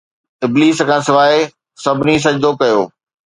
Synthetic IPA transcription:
ɪbliːskʰãːsɪʋaːe | sɐbʱɪnis̬ɐd͡ʑd̪okɐjoː

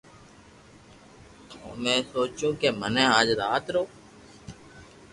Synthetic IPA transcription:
t̪ʰõ̰ːmɛ̃ːsoːt͡ʃũːkeːmənẽːaːd͡ʒɾaːt̪ɾoː

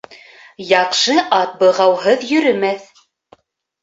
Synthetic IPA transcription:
jɑqʃɤʔɑt̪̚bɤ̆ʁɑwɦɤðjɵ̆ɾɵ̆mæθ

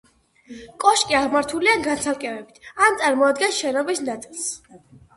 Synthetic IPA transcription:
kʼɔʃkʼiaʁmaɾt̪ʰuliaɡansʰalˠkʼɛvɛbit̪ʰant̪sʼaɾmɔad̪ɡɛnsʃɛnɔbisnat̪sʼilˠs

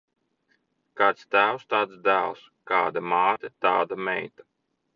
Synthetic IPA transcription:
kaːt̪st̪æːwst̪aːt̪sd̪æːlˠs | kaːd̪amaːt̪ʲet̪aːd̪amɛjt̪ḁ

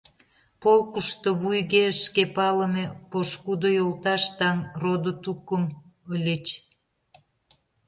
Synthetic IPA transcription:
polkuʃt̪oβujɣeʃkepɑlə̆mepoʃkud̪ojolt̪ɑʃt̪ɑŋrod̪ot̪ukəm | əlʲət͡ɕ

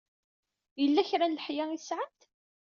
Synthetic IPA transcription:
jəlːæçɾænlħjæisʕəmt̪

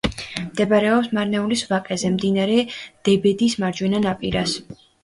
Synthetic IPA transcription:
md̪ɛbaɾɛɔpsmaɾnɛulisvakʼɛzɛmd̪inaɾɛd̪̥ɛbɛd̪ismaɾd͡ʒwɛnanapʼiɾas

